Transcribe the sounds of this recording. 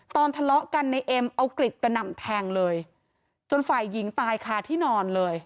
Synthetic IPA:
t̪ɔː˧nt̪ʰa˧lɔ˦˥ʔka˧nːa˧jʔe˧mʔa˧wkɾi˨˩t̪̚ka˧na˨˩mt̪ʰɛː˧ŋlɤː˧j | t͡ɕo˧nfaː˨˩jːi˩˦ŋt̪aː˧jkʰaː˨˩t̪ʰiː˥˩nɔː˧nlɤː˧j

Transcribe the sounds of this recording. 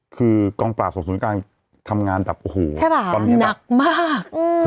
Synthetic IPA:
kʰɯː˧kɔː˧ŋplaː˨˩so˨˩˨su˩˦kaː˧n | t̪ʰa˧mŋaː˧nda˨˩p̚ʔoː˧hoː˨˩˦t͡ɕʰa˥˩a˧˩a˧n˦na˨˩k̚maː˥˩k̚ɯː˧

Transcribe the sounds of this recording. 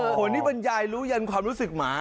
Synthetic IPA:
kʰo˧ntːiː˥˩pe˧njaː˧jɾuː˦˥ja˧nkʰwaː˧mɾuː˦˥sɯ˨˩k̚maː˦˥

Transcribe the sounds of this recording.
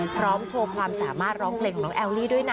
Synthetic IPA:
pʰɾɔː˦˥mt͡ɕʰoː˧kʰwaː˧msaː˩˦maː˥˩t̪̚ɾɔː˦˥ŋpʰle˧ŋkʰɔː˨˩nɔː˦˥ʔɛː˧wliː˥˩du˥˩əjna˦˥

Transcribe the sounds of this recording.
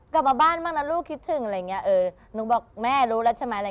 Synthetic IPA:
kla˨˩p̚maː˧baː˥˩nmaː˥˩k̚na˦˥luː˥˩kʰi˦˥t̪ʰːɯ˨˩ŋa˧ɾa˧jːŋːi˦˥ɐʔɤː˧ | nu˨˦˥bɔː˨˩k̚mɛː˥˩ɾuː˦˥lɛ˦˥wt͡ɕʰa˧˩ma˦˥˨a˧˨

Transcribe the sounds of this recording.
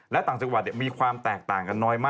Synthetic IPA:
lɛ˦˥t̪aː˨˩˦ŋt͡ɕa˨˩k̚waː˧˩t̪i˨˩miː˧kʰwaː˧mt̪ɛː˨˩k̚t̪aː˨˩ŋka˧nːɔː˦˥jmaː˥˩

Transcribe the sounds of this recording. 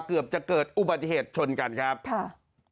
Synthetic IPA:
kɯ˨˩əp̚t͡ɕa˨˩kɤː˨˩t̪̚ʔu˨˩ba˨˩t̪̬ːi˧˩heː˨˩t̪̚t͡ɕʰo˧nka˧nkʰɾa˦˥p̚kʰa˥˩

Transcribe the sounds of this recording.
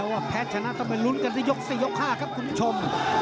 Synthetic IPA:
waː˥˩pʰɛː˦˥t̪̚t͡ɕʰa˧na˦˥ʔt̪ʰɔ˥˧˩ma˧˩lu˦˥nka˧nt̪ʰiː˥˩jo˦˥k̚siː˨˩jo˦˥kʰːaː˥˩kʰa˦˥p̚kʰu˧npʰu˦˥˩t͡ɕʰo˧m

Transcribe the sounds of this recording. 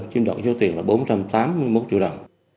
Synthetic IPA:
nt͡ɕi˧əmɗə̰˧˨wŋ͡mzɔ˨˦t̪i˨˩əŋlaː˨˩ɓo˨˦nt͡ɕa˧mt̪aː˨˦mːɨ˧əjmo˦˥t̚t͡ɕḭ˧˨wɗə˨˩wŋ͡m

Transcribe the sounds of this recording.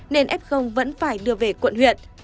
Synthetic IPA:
ne˧nʔɛ˦˥p̚xə˧wŋ͡mvə̰˧˥nfaː˧˩jɗɨ˧əve˨˩kwə̰˧˨nhwḭ˧˨ən

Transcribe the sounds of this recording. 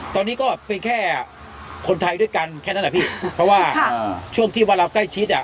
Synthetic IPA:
t̪ɔː˧nːiː˦˥kɔː˥˩pe˧nkʰɛː˥˩ | kʰo˧nt̪ʰa˧jdu˥˩əjka˧nkʰɛː˥˩na˥˩˨a˧˩pʰiː˥˩pʰɾɔ˦˥waː˥˩t͡ɕʰu˥˩əŋt̪ʰiː˥˩waː˧ɾaː˧wkla˥˩jt͡ɕʰi˦˥t̪̚ʔa˨˩

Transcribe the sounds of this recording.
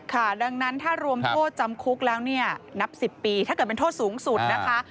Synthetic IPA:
kʰa˥˩da˧ŋna˦˥nt̪ʰaː˥˩ɾu˧əmt̪ʰoː˥˩t̪̚t͡ɕa˧mkʰu˦˥k̚lɛː˦˥wni˥˩ɐna˦˥p̚si˨˩pːiː˧t̪ʰa˥˩ɤ˨˩t̚pe˧nt̪ʰːt̪̚suː˩˦ŋsu˨˩t̪̚na˦˥kʰa˦˥

